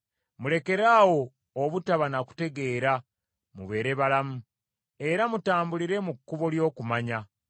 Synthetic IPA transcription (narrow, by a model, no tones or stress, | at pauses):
mule̞ke̞ɾaːwo̞ː | βutaβanaku̥te̞ɡe̞ːɾa | mṵβe̞ːɾe̞βalamu | e̞ɾamutaːmbuliɾe̞mukːuβo̞ljo̞ːkumaɲa